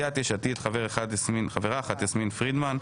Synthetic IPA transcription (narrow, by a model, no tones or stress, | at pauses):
at̪eʃat̪it̪χaveʁeχad̪esminχaveʁaːχat̪jesminfʁid̪man